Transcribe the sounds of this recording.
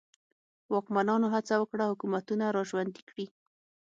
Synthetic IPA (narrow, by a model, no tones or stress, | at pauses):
wɑkmanɑnoɦat͡sawəkɽahʊkumat̪unaɾɑʒwand̪i̥kɽi